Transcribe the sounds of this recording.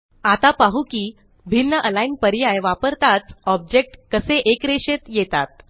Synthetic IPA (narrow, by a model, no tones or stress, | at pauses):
at̪apaɦukiː | bʱinːəʔəlainpəɾjajʋapəɾt̪at͡sɔb̚d͡ʑek̚ʈkəseʔekɾeɕet̪jet̪at̪̚